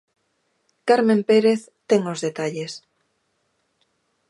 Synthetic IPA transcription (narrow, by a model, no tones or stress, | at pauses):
kaɾmẽmpeɾeθ | t̪eŋozðet̪aʎes